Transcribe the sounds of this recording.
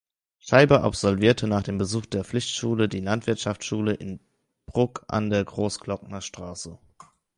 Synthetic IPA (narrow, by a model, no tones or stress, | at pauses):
ʃaɪbɐʔa̰pz̥ɔlviːɐtʰənaːχd̥eːmbəzuːχd̥eːɐflɪçtʃuːlədiːlantv̥ɪɐtʃaft͡sʃuːləʔɪn | b̥ʁʊkʔa̰ndeːɐɡʁoːsklɔk̚nɐʃtʁ̥aːsə